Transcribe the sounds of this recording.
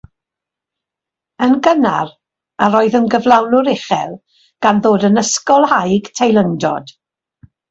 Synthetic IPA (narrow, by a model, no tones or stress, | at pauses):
ənɡənar | aɾoːɨðənɡəvlˠawnʊɾɪχɛ̰lˠ | ɡ̥anðoːdənəskɔlˠhajɡ̥tʰejlˠəndɔ̰d̥